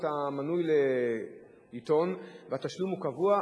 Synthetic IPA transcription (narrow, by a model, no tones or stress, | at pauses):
tamanujle | lit̪o̞nveat̪aʃlumhukavua